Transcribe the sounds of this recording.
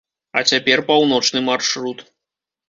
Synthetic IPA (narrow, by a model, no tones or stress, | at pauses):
ɐ̰t͡sʲapʲɛrpawnɔt͡ʂnɨmarʂɾut̪